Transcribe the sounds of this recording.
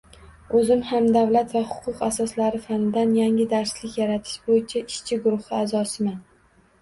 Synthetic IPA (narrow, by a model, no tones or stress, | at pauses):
ɵzɪmhamd̪avlat̪vahʊqʰʊqasɒslaɾɪfanɪd̪anjaŋɪd̪aɾslɪkʲjaɾat̪ʰɪ̥ʃbojɪt͡ʃʰaʔɪʃt͡ʃʰɪɡʊɾʊhɪazɒsɪman